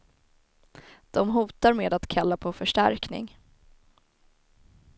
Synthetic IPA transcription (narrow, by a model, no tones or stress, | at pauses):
d̪̥ɔmɦuːt̪aɾmeːd̪at̪kʰalːapʰɔfœʂʈæ̰ɾknɪ̰ŋ